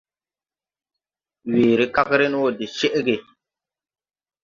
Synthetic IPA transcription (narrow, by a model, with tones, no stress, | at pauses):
weː˨ɾi˦ka˦kɾe˦n˦wo˨di˨t͡ʃe˦ʔɡe˨